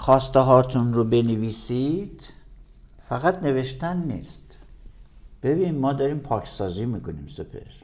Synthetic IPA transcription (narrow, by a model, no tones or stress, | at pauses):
xɒːst̪eɦɒːt̪ʰunɾobe̞neviːsid̪̥ | fæɣæt̪ne̞ve̞ʃt̪ænːḭːst̪ | b̥e̞biːnmɒːd̪ɒɾiːmpʰɒːcʰsɒːziːmiːkoniːmsupʰḛɾ